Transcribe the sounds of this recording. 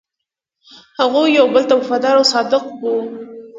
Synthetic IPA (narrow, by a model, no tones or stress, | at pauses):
haɣujawbəlt̪awafad̪ɑɾawsɑd̪ɪqwu